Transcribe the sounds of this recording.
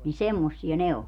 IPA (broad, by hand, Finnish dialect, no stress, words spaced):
ni semːosːiɑ ne o